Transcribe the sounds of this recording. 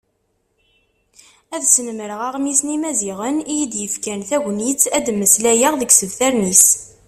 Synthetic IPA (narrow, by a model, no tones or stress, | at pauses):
æðsənməɾəʁaʁmisnimæziʁənijid̪jəfkænθæʝʷnit͡sːæd̪mːəslæjəʁðəɡsəðθæɾnis